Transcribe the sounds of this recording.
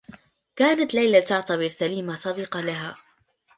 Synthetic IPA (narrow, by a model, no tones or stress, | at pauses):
kaːnat̪lajlat̪ʊʕt̪abɪɾsaliːmasˤɑd̪iːqɑlaɦaː